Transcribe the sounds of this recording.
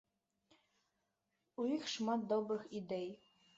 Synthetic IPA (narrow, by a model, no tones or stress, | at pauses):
uixʃmɑt̪̚d̪obrɤxid̪ej